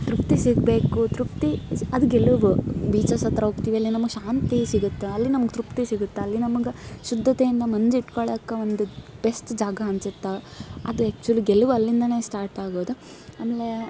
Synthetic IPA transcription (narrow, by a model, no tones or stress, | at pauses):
t̪ɾupt̪isiɡbe̞ːkut̪ɾupt̪iɐd̪uɡeluʋubiːt͡ʃɐsɐt̪ːɾɐɦoːɡ̚t̪iːʋiɐlːinɐmɐɡeʃaːnt̪isiɡut̪ːeɐlːinɐmɐɡet̪ɾupt̪isiɡut̪ːeɐlːinɐmɐɡeʃud̪ʱːɐt̪ejind̪ɐmɐnd͡ʒiʈkoɭɐkːɐond̪ub̥esʈd͡ʒaːɡɐɦɐnsit̪ːeɐd̪uɛːk̚t͡ʃuɐlːiɡeluʋuɐlːind̪ɐne̞ːsʈaːɾʈaːɡoːd̪u | aːmeːle